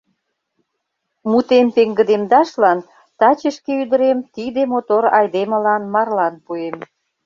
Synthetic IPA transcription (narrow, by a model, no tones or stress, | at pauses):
mut̪empeŋɡə̆d̪emd̪ɑʃlɑn | t̪ɑt͡ɕəʃkeyd̪ə̆ɾemt̪id̪emot̪oɾɑjd̪emə̆lɑnmɑrlɑnpuem